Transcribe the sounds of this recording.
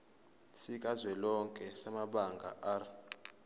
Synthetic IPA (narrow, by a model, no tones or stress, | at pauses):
sik̬ʼazwɛlɔŋkʼɛsamaɓaŋɡʱa̰ʔar